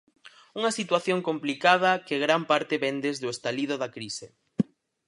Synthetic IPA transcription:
uŋɐsit̪waθjoŋkomplikað̞ɐkeɣɾampaɾt̪ɪβɛnd̪ezðʊest̪aliðʊðakɾise

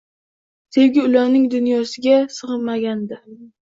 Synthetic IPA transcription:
se̞wɡʲɪʊlaɾnɪŋd̪ʊnjɒsɪɡʲasɨʁɨnmaɡʲand̪ɪ

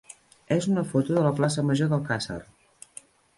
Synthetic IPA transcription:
ezunəfot̪uðələplas̬əməʒoðəlˠkasə̰r

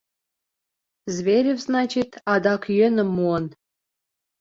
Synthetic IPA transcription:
zβeɾʲevznɑt͡ɕit̪ɑd̪ɑkjø̆nə̆mːuən

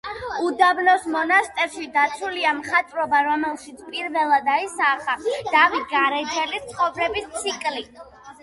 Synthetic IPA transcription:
ud̪ablɔsmɔnast̪ʼɛɾʃid̪at̪sʰuliamχat̪ʼvɾɔbaɾɔmɛlˠʃit̪sʰpʼiɾvɛlˠad̪aisaːχad̪̥avit̪̚ʰɡaɾɛd͡ʒɛlist̪sʰχɔvɾɛbist̪sʰikʼli

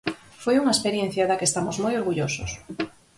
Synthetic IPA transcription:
fojuŋaespeɾjen̟θjaðakeːst̪amozmojoɾɣuʎoso̰s

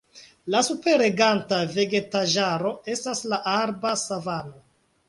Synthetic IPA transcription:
lasupe̞ɾe̞ɡantave̞ɡe̞taʒaɾo̞e̞staslaʔaɾbasavano

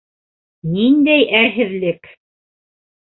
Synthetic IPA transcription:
nind̪æjæɦɘ̆ðlɘk

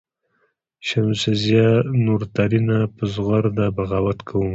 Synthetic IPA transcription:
ʃamsɪzjɑnuɾt̪aɾinapəzɣaɾd̪abaɣawat̪kʰawum

